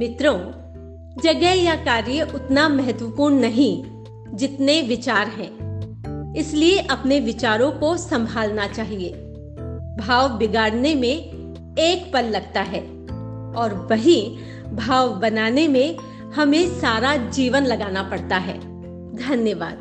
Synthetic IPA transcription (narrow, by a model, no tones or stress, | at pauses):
mɪt̪ɾõ | d͡ʒɐɡɛɦjakaːɾjəʔʊt̪namɛɦət̪ʋəpuːɳnɐɦĩ | d͡ʒɪt̪neʋɪt͡ʃaːɾɦɛ̃ː | ɪslieʔɐpneʋɪt͡ʃaːɾõkosɐ̃mbʱaːlnat͡ʃaːɦieː | bʱaːʋbɪɡaːɽnemẽ | eːkpɐlːɐɡt̪aɦɛː | ɔːɾʋɐɦi | bʱaːʋbɐnaːnemẽ | hɐmẽsaːɾad͡ʒiːʋənlɐɡaːnapɐɽt̪aɦɛ̰ː | d̪ʱɐnjəʋa̰ːd̪̚